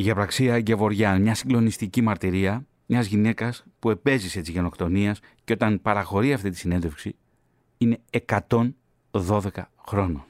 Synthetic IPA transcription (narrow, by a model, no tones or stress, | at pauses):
iʝiɐpɾɐksiɐɟevo̞ɾʝɐmɲɐsiŋɡlo̞nist̪icimɐɾt̪iɾiɐ | mɲɐzʝine̞kɐspue̞pe̞zise̞t̪izʝe̞no̞kt̪o̞niɐs | ceo̞t̪ɐnpɐɾɐxo̞ɾiɐft̪it̪i̥sine̞ndðefksi | ine̞ːkɐt̪o̞n | ðo̞ðe̞kɐxɾo̞no